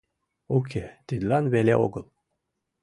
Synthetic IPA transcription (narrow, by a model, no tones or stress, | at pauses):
ok̬ʰʲet̪id̪lˠɑnβelʲḛo̰ɡɤ̆lˠ